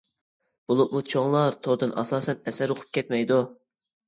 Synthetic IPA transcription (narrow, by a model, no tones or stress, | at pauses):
b̥ulˠʊp̚mut͡ʃʰoŋlˠɑɾt̪ʰoɾd̪ɨnʔɑ̰sɑːsɛnɛsæɾoqʰʊ̥p̚kʲʰɛt̪̚mɛjd̪u